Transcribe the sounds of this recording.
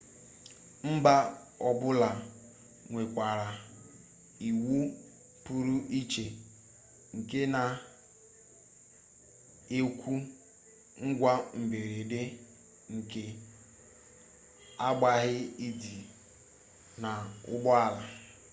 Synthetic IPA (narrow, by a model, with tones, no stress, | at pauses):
m̩˦ba˦ | ɔ˨bʊ˦la˨ | ŋʷe˨kʷa˨ɾa˨ | i˨wu˦ | pu˨ɾu˦i˦t͡ʃe˨ | ŋ̩˨ke˦na˨ | e˦kʷu˦ | ŋ̩˦ɡʷa˦m̩˨be˨ɾe˨de˦ | ŋ̩˨ke˨ | a˦ɡ͡ba˦ɦɪ˦i˦di˨ | na˨ʊ̰˦ɡ͡bɔ˦a˦la˨